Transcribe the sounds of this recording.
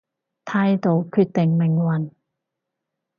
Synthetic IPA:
t̪ʰaː˧˥jt̪o˨˧wkʰyː˧t̚t̪ɪ˨˩ŋmɪ˨˩ŋwɐ˨˩n

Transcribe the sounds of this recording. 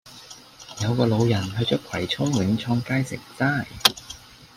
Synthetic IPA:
jɐ˨˧wkɔː˧lo˨˧wjɐ˨˩nɦɵ˧ɥt͡ʃœː˥kʰɐ˨˩jt͡sʰʊ˥ŋwɪ˨˥ŋt͡sʰɔː˧ŋkaː˥jsɪ̰˨˩ŋt͡saː˥˩j

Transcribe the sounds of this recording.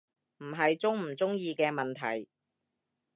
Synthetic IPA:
m̩˨˩ɦɐ˨jt͡sʊ˥ŋm̩˨˩t͡sʊ˥ŋjiː˧kɛː˧mɐ˨nt̪ʰɐ̰˨˩j

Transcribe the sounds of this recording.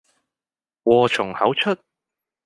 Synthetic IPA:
wɔː˨˧t͡ʃʰʊ˨˩ŋhɐ˨˥wt͡ʃʰɵ˥t̚

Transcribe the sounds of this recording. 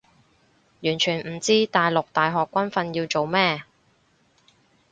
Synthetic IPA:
jyː˨˩nt͡ʃʰyː˨˩nm̩˨˩t͡siː˥t̪aː˨jlʊ˨k̚t̪aː˨jɦɔː˨kːʷɐ˥nfɐ˧njiː˧wt͡ʃo˨wmɛː˥˩

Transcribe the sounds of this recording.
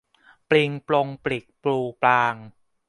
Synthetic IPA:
pli˧ŋplo˧ŋpli˨˩k̚pluː˧plaː˧ŋ

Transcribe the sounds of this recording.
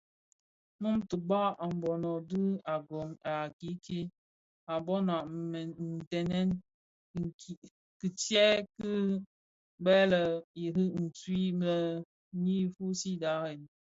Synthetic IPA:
mu˦mtə˨ba˦ʔa˨m̩˨bɔ˨nɔ˨dɨ˦a˨ɡɔ˨ma˨ki˨˦kʰi˦ | a˨bɔ˦na˨n˨tɛ˨nɛ˦n˨ | kɨ˨tjɛ˦kɨ˦ | bɛ˦lə˨i˨ɾɨ˦n̩˨t͡swi˦mə˦ | ni˦fu˦si˦da˨˦ɾe˨n˨

